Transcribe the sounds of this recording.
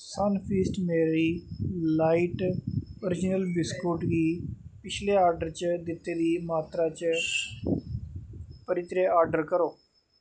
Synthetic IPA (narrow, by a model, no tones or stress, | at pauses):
saːnpʰiːsʈmeːɾiːlaːiʈoːɾɪd͡ʒɪnəlbɪskoːʈɡ̪iːpɪt͡ʃʰleːaːɾɖəɾt͡ʃd̪ɪt̪ːeːɾiːmaːt̪ɾaːt͡ʃ | pəɾɪt̪ɾeːaːɾɖəɾkəɾoː